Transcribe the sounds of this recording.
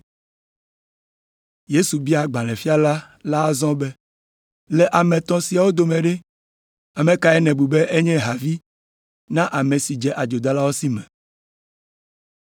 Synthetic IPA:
je˦su˨bi˦a˨ɡ͡bã˨l̃ɛ̃˨fi˦a˦la˦ | la˦zɔ̃˦bɛ˦ | lɛ˨ʔa˨mɛ̃˨t̪ɔ̃˦si˨a˨wo˦d̪o˨mɛ̃˨ɖɛ˦ | a˨mɛ̃˨ka˨ɛ˦nɛ̃˨bu˨be˦ʔe˦ɲɛ̃˦ɦa˨vi˦ | nã˦ʔa˨mɛ̃˨si˨d͡ʒɛ˦ʔa˨d͡ʒo˨d̪a˦la˦wo˦si˦mɛ̃˨

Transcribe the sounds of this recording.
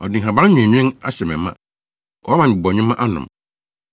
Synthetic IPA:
ɔ˨dɪ̃˨ɦã˨bã˦ɲĩ˨ɛ̃˨ɲᶣ˦ɪ̃˦ŋa̰˦ɕɛ˨mɛ̰̃˨˦mã̰˦ | ʔɔ˦a˦mã˨bɔ˨ɲᶣʊ̃˦mã˦ʔa˦nʊ̰̃˨m

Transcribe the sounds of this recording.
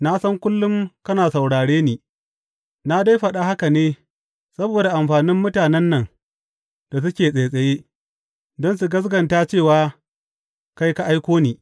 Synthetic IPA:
na˦sɐ˦ŋkʷʊ˦lːʊ˦mkɐ˦naː˨sa˨wɽaː˨ɽeː˦niː˨ | na˦da˦jɸɐ˨ɗa˦ha˦ka˨neː˦ | sɐ˦boː˨da˨ʔa˨mɸaː˨nɪ˦mːʊ˦taː˨nɛ˦nːɐ˨ŋ | d̥a˨s̬ʊ˦kʲeː˨sʼeː˨sʼɐ˨jeː˦ | dɔ˦ns̬u˨ɡɐ˦s̬ɡɐ˨nta˦t͡ʃeː˦˨waː˦ | ka˦jka˦ʔa˦jkʷoː˦niː˨

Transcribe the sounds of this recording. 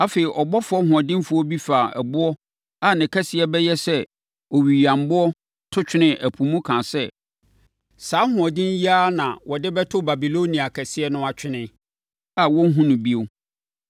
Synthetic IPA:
a˦fe˨i˨ʔɔ˨bɔ˦fʊ˦ɔ˦ɦʊ̃˨ɔ˨dɪ̃˦n˦fʊ˦ɔ˦bi˦fa˨ɛ̰˨bʊ˦ɔ˦ | a˦˨nɪ̃˨kʰɛ˦sɪ˦ɛ˦bɛ˦jɛ˦sɛ˦ | ɔ˨ɥi˨i˨ã˨m˨bʊ˦ɔ˦ | tʰʊ˦t͡ɕᶣɪ˦nɪ̃˦ʔæ˨pʰũ˨mũ˦kʰãː˨sɛ˦ | saː˨˦hʊ̃˨ɔ˨dɪ̃˦n˦ji˦a˦nã˨wɔ˨dɪ˦bɛ˦tʰʊ˦ba˨bi˨lo˦nĩ˨a˨kʰɛ˨sɪ˦ɛ˦nʊ̃˦a˨t͡ɕᶣɪ˦nɪ̃˦ | a˨wɔ̃˦n˦ɦũ˦nʊ̃˨bi˦o˦

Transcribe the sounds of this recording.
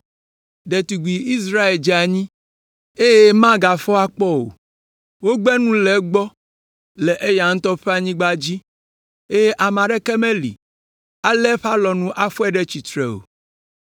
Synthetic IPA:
ɖ̪ɛ˨t̪u˨ɡi˨i˦s̬ɾa˦e˨ld͡ʒɛ˦a˨ɲĩ˦ | e˦je˦mã˦ɡa˨fɔ˦a˦k͡pɔ˦o̰˨ | wo˦ɡ͡bɛ˦nũ˦lɛ˨ɡ͡bɔ˦ | lɛ˨ʔe˦ja˨ŋ̩̃˦t̪ɔ˦ɸɛ˦a˨ɲĩ˦ɡ͡ba˦d͡ʑi˦ | e˦je˦ʔa˨mã˨ɖɛ˦kɛ˦mẽ˦lḭ˨ | a˨lɛ˦ɸa˦lɔ˨nũ˦ʔa˦ɸɔ˦ɛ˦ɖɛ˦t͡ɕi˨t̪ɾɛ̰˨o̰˨

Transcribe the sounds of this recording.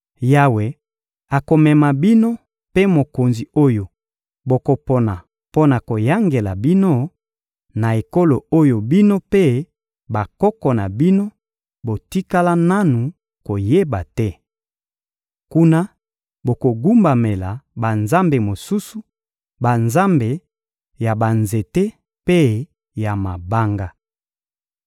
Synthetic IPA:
ja˦we˨ | a˨ko˨mɛ˨ma˨bi˦no˦ | pe˦mo˨ko˨nzi˨o˦jo˨ | bo˨ko˨po˨na˨ | po˦na˨ko˨ja˦ŋɡe˨la̰˨bi˦no˦ | na˨e˨ko˦lo˨o˦jo˨bi˦no˦pe˦ | ba˨kɔ˦kɔ˨na˨bi˦no˦ | bo˨ti˦ka˦la˦na˦nu˨ | ko˨je˦ba˨tɛ˦ | ku˦na˦ | bo˨ko˨ɡu˦mba˨me˨la˨ba˨nza˦mbe˨mo˨su˦su˨ | ba˨nza˦mbe˨ | ja˨ba˨nze˨te˦ | pe˦ | ja˨ma˨ba˦ŋɡa˦

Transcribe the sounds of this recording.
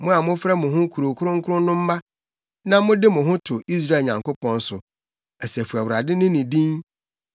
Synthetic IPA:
mʊ̃˦a˨mʊ̃˦fɾɛ˦mʊ̃˨ɦʊ̃˦kʰu˨ɾo˨kʰʊ˦ɾʊ̃˦ŋ̩˦kʰʊ˦ɾʊ̃˦n˦nʊ̃˦m̩˦ma˦ | nã˦mʊ̃˦dɪ˦mʊ̃˨ɦʊ̃˦tʰʊ˨ʔi˦s̬ɾa˦˨ɲã˨ŋko˦pʰɔ̃˦n˦sʊ˨ | æ˨sæ˨fu˨a˨wʊ˨ɾa˨dɪ˦nʊ̃˦nɪ̃˨dĩ˦n

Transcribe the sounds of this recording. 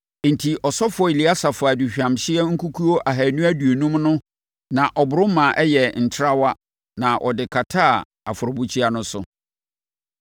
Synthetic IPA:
n̩˨tʰi˨ʔɔ˨sɔ˦fʊ˨ɔ˨i˨li˨˦a˦sa˨fʊ˨a˨di˨ɕᶣã˨mɕɪ˦ɛ˦ŋ̩˦kʰu˦kʰu˦o˦ʔa˨ɦæ˨nũ˦æ˦du˨e˨nũ˦mnʊ̃˦ | nã˨ʔɔ˨bʊ˨ɾʊ̃˦mã˨ʔɛ˦jɛ˨n̩˨tʰɪ˦ɾa˦wa˦ | nã˨ʔɔ̰˨dɪ˨kʰa˨tʰa˦˨ | a̰˨fʊ˨ɾɔ˨bu˦t͡ɕʰi˦a˦nʊ̃˦sʊ˨

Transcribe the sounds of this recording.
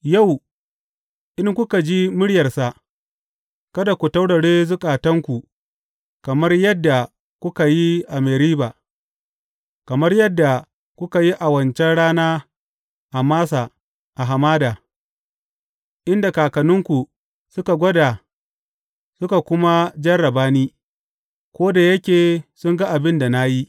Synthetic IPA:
ja˦˨w | ʔɪ˦ŋkʷʊ˦ka˨d͡ʒi˦mʊ˦ɽjɐ˨rsa˨ | kɐ˦da˨kʷu˨tɐ˦wɽɐ˨ɽeː˦zʊ˦kʼaː˨tɐ˦ŋkʷu˨ | kɐ˨mɐ˦rjɐ˦dːa˨ | kʷʊ˦ka˨ji˦ʔa˨meː˨ɾiː˦baː˨ | kɐ˨mɐ˦rjɐ˦dːa˨ | kʷʊ˦ka˨ji˦ʔa˨wɐ˨nt͡ʃɛ˦nɽaː˦naː˦ | ʔa˨maː˦sa˨ | ʔa˨ɦa˨maː˦daː˨ | ʔɪ˦nda˨kaː˨kɐ˨nʊ˦ŋkʷu˨ | sʊ˦ka˨ɡʷɔ˦da˨ | sʊ˦ka˨kʷʊ˦ma˦d͡ʒɐ˦ɽɐ˨baː˦niː˦ | kʷoː˦da˨jɐ˦kʲeː˨sʊ˦ŋɡa˦ʔa˨bɪ˦nda˨na˦ji˦

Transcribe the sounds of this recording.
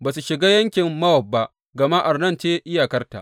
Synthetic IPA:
baː˨su˨ʃɪ˨ɡaː˦jɐ˦ŋkʲɪ˨mːɐ˦wɐ˨b̚ːa˦ʔ | ɡɐ˨ma˦ʔa˨rnɐ˦˨nt͡ʃeː˦ʔɪ˦jaː˨kɐ˦rta̰˨ʔ

